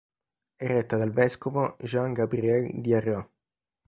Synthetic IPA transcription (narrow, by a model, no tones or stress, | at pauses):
ɛrːɛt̪ːad̪alvɛskovoʒaŋɡabɾiɛld̪iarjɔ